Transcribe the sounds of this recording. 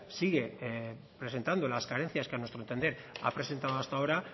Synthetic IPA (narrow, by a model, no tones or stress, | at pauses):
siɣ̞e̞ | pɾese̞nt̪and̪o̞laskaɾen̟θjaskeanwe̞st̪ɾont̪e̞nd̪eɾ | a̰pɾe̞se̞nt̪aðoast̪ao̞ɾa